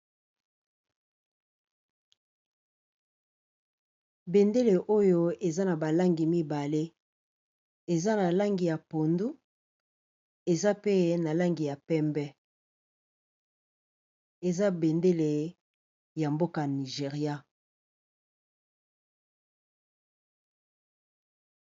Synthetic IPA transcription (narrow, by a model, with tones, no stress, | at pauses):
be˨nde˦le˨ʔo˦jo˦e˨za˦na˨ba˨la˦ŋɡi˨mi˦ba˨le˦ | e˨za˦na˨la˦ŋɡi˨ja˨po˨ndu˦ | e˨za˦pe˦na˨la˦ŋɡi˨ja˨pɛ˦mbɛ˦ | e˨za˦be˨nde˦le˨ | ja˨mbo˦ka˨ni˨ʒe˨ʁja˦